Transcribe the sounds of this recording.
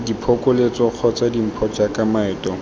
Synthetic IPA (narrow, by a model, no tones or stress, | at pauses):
dipʰɔkʼʊlet͡sɔq͡χʰɔt͡sadim̩pʰɔt͡ʃakamaɪːtɔ